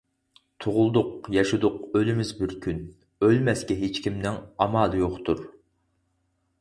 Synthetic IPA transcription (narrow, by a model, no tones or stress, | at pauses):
t̪ʰʊʁʊlˠd̪ʊq̚jɑʃud̪ʊqølɪmɪzbɪɾkʲʰyn | ølmɛskʲɛɦet͡ʃkʲʰimnɪŋɑmɑːlˠɨjoχt̪ʰuɾ